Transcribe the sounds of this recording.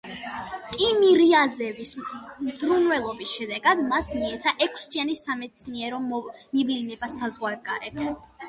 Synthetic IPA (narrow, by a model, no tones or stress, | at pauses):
t̪ʼimiɾiazɛvismzɾunvɛlˠɔbisʃɛd̪ɛɡad̪masmiɛt̪sʰaʔɛkʰsd͡ʒanisamɛt̪sʰniɛɾɔ | mivlinɛbasːazʁwaɾɡaɾɛt̪ʰ